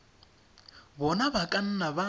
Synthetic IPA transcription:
βɔnaβakʼan̩naβa

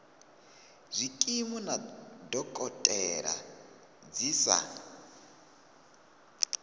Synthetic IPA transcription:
zʷikʼimunadɔkʼɔtʼɛɺa̰ | d͡zisa̰

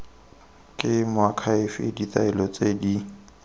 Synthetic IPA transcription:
kʼɪmʊakʰaɪfɪ̰dit̪aɪlɔt͡sʼedi

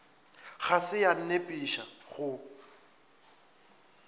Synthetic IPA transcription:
ɣasɪjan̩nepʼiʃaɣʊ

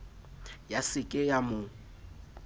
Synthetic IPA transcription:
jasɪkʼɪjamʊ

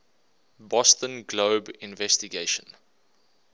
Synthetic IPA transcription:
bɔstə̃nɡloːbɪ̃nvɛstiɡeʃə̃n

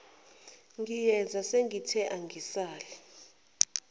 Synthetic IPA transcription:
ŋɡʱijɛnd͡zʱaseŋɡʱitʰɛʔaŋɡʱisaːlɛ

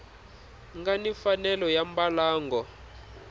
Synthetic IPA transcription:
ŋɡanifanɛlɔjambalaːŋɡɔ

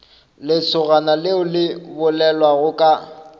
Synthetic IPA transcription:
lɪt͡sʰʊɣanalɪʊlɪbʊlɛlwaɣʊkʼa

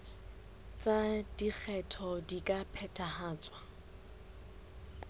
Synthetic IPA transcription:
t͡sʼad̥ik͡xʰɛtʰɔdikʼapʰɛtʰahaːt͡sʼwa

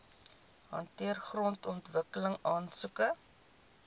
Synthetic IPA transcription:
ɦɐ̰ntiərχrɔntɔntvəkələŋɑːnsukə

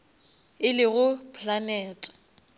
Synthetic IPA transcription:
ɪlɪɣʊpʼʰlanɛːtʼḁ

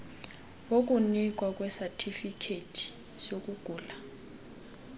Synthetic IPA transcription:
wok̬ʼunikʼwakʼwɛsatʰifikʰetʰi̥ | sok̬ʼuɡ̥ʱuːla

